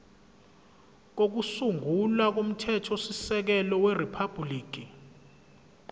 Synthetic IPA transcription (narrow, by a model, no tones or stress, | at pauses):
k̬ok̬usuŋɡulak̬om̩tʰɛtʰɔsisɛk̬ɛlɔweripʰab̥liːk̬i